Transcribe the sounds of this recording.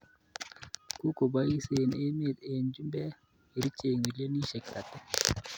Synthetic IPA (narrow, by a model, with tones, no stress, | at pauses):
ku˦ko˨ba˦i˦se˨ne˦me˦˨t̪e˨nd͡ʒu˦mbɛ˦ | e˨ɾi˦t͡ʃe˨ŋwi˨le˦ni˦ʃe˨kɾa˨t̪ɛ˦